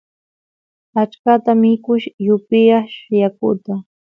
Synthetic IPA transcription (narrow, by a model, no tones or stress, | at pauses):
at͡ʃkat̪amɪkʊʃjʊpɪjaχʃʊjakʊ̰t̪a